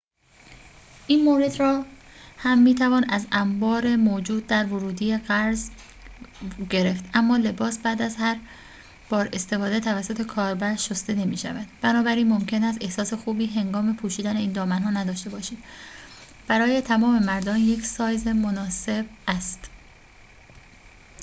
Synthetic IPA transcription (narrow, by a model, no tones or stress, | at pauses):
ʔiːnmoːɾe̞d̪ɾɒːhæmːiːt̪ʰævɒːnæzæmbɒːɾe̞moːd͡ʒuːd̪̚ːæɾvoɾuːd̪iːjeɣæɾz | ɟe̞ɾe̞ft̪ʔæmːɒːle̞bɒːsbæːd̪æzhæɾ | b̥ɒːɾe̞st̪e̞fɒːd̪e̞t̪ʰævæsːo̞t̪ʰe̞kʰɒːɾbæɾʃost̪e̞ne̞miːʃævæd̪̥bænɒːbæɾiːnmo̞mcʰe̞næst̪e̞hsɒːse̞xuːbiːɦe̞ŋɡɒːme̞pʰuːʃiːd̪æneiːnd̪ɒːmænɦɒːnæd̪ɒːʃt̪e̞bɒːʃiːd̪̥ | b̥æɾɒːje̞t̪ʰæmɒːme̞mæɾd̪ɒːnje̞cʰsɒːjzemonɒːse̞b̚ʔæst̪